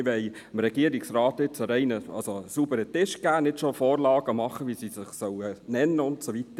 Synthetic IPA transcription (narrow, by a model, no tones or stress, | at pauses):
ʋɛɪmɾɛɡ̥iəɾiksɾɑːt̪ɪt͡səɾɛɪnəɑ̰lsosubəɾətɪʃɡ̥æːnɪtʃofoːɾlɑːɡ̥əmɑχəʋisisɪχsœwənɛnːəʊntsoʋitə